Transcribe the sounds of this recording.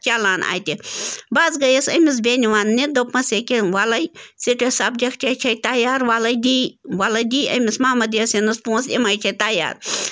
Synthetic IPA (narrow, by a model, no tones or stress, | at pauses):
t͡ʃalaːna̰ːjt̪ibaːzɡɐjɐsɐmis̬bʲeniʋaːnːid̪opːɐsekeʋalɐjsiʈɐsɐb̚d͡ʒʲɐkt͡ʃʰɐt͡ʃʰɐjt̪ajaːɾʋaːlɐjd̪iʋalɐjd̪iːɐ̰mʲismɐːmɐd̪jɐsinɐspũːsḭmajt͡ʃʰɐt̪aja̰ːɾ